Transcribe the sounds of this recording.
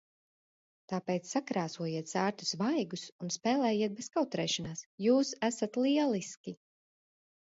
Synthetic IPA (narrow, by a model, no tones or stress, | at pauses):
t̪aːpɛːt̪ssakɾaːsuɔjiɛt̪saːɾt̪u̥svajɡusunspɛːlˠɛːjiɛt̪̚beskawt̪ɾɛːʃanaːsjuːsæsat̪lˠiɛlˠiskʲi